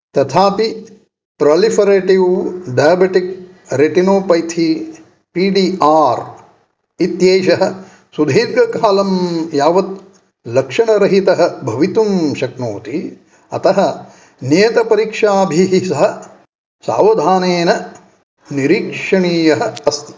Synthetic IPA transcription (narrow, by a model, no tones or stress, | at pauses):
t̪ɐt̪ʰaːpi | pɾɐlifɐɾeːʈiwɖɐjɐbeʈik̚ | ɾeʈinoːpɐjt̪ʰi | piːɖiːʔaːɾ | it̪jeːʃɐɦɐ̆ | sud̪ʱiːɾɡɐkaːlɐmjaːʋɐt̪̚ | lɐkʂɐɳɐɾɐɦit̪ɐɦɐ̆bʱɐʋit̪umʃɐknoːt̪i | ɐ̰t̪ɐɦɐ | neːt̪ɐpɐɾikʂaːbʱiɦisɐɦɐ | sa̰ːʋɐd̪ʱaːneːnɐ | niɾiːkʂɐɳiːjɐɦɐ̆ɐst̪i̥